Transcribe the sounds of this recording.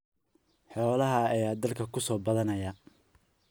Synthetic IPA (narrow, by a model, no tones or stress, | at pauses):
ħɔːlɐɦɐɐjaːd̪ɐlkʰɐkʰʊsɔːbɐðɐnɐjɐ